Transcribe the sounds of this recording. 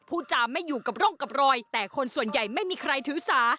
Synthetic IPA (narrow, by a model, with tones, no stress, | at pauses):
pʰuː˥˩t͡ɕaː˧mːa˥˩jːuː˨˩ka˨˩p̚ɾɔ˥˩ŋka˨˩p̚ɾɔː˧jt̪ɛː˨˩kʰo˧nsu˨˩ənja˨˩jma˥˩jmiː˧kʰɾa˧jt̪ʰɯː˩˦saː˩˦